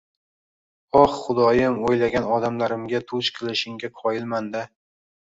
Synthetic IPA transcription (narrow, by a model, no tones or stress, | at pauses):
ɒχχʊd̪ɒjɪmojlaɡʲanɒd̪amlaɾɪmɡʲat̪ʰʊt͡ʃqʰɨlˠɪʃɪŋɡʲaqʰɒjɪlmand̪ɪ